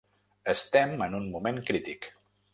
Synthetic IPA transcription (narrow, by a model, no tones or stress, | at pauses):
əst̪ɛmənunmumeŋkɾit̪ik